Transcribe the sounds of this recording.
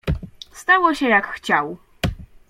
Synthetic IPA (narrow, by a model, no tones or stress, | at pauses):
st̪awɔɕɛjakxt͡ɕaw